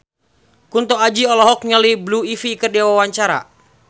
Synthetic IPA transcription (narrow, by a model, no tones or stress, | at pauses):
kunt̪ɔad͡ʒiɔlɔɦɔkɲalibluifikərdiawawaɲt͡ʃaɾa̰